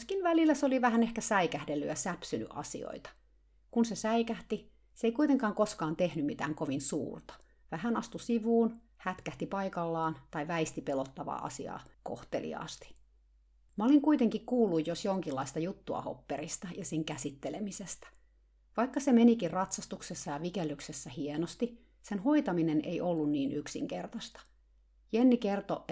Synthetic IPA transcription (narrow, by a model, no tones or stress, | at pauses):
skinʋælilːæseoliʋæhænehkæsæikæhdelːy̰jɑsæpsyny̰ʔɑ̰sḭo̰it̪ɑ̥ | kunsesæikæht̪i | seikuijt̪eŋkɑːŋkoskɑːnt̪ehnymmit̪æːŋkoʋinsṵːrt̪ɑ̥ | ʋæhænɑst̪usiʋuːn | hæt̪kæht̪ipɑikɑlːɑːnt̪ɑiʋæist̪ipelot̪ːɑʋɑ̰ʔɑ̰siɑ̰ːko̰ht̪elḭɑ̰ːst̪i̥ | mɑoliŋkuit̪eŋkikkuːlːujjosjoŋkilːɑist̪ɑjut̪ːuɑ̰ho̰pːeɾist̪ɑjɑsiŋkæsit̪ːelemisest̪æ̥ | ʋɑikːɑsemenikirrɑt̪sɑst̪uksesːɑjɑʋikelːyksesːæhienost̪i | senɦoit̪ɑminenḛjʔolːunniːnyksḭŋkert̪ɑst̪ɑ̥ | jenːikert̪o